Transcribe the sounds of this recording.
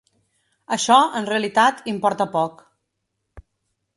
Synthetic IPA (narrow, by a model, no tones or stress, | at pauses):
əʃɔənreəlit̪at̪impɔɾt̪əpɔk